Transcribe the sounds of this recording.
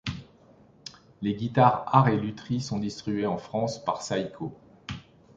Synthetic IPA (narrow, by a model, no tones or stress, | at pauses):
leɡʲit̪aʁaʁelyt̪χisɔ̃d̪ist̪χibɥeɑ̃fχɑ̃spaʁsajkʰo